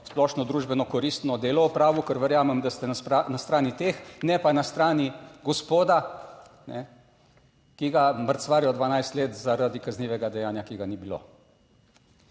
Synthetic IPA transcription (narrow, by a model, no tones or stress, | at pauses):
splɔʃnɔd̪ɾuːʒbɛnɔkɔɾist̪nɔd̪eːlɔɔpɾaːʋukəɾʋɛɾjaːmɛmd̪ast̪ɛnaanast̪ɾaːnit̪eːxnɛpanast̪ɾaːniɡɔspoːd̪a | nɛ | kiɡaməɾt̪sʋaːɾijɔd̪ʋanajst̪leːt̪zaɾad̪ikazniːʋɛɡad̪ɛjaːnjakiɡanibilo̰